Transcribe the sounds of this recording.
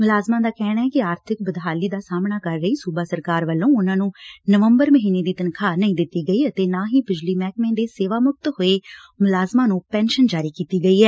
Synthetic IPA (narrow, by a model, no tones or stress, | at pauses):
mʊlaːzmãːd̪aːkɛːɽ̃aːɦɛːkɪaːɾt̪ʰɪk̚bəd̪ɦaːliːd̪aːsaːmnaːkəɾːəiːsuːbaːsəɾkaːɾʋəlːõːʊnãːnũːnəʋəmbəɾməɦiːneːd̪iːt̪ənkʰaːnəĩːd̪ɪt̪ːiːɡəiːət̪eːnãːɦiːbɪd͡ʒliːmɛːk̚mẽːd̪eːseːʋaːmʊk̚t̪ɦoːeː | mʊlaːzmãːnũːpɛːnʃənd͡ʒaːɾiːkiːt̪iːɡəiːɦɛː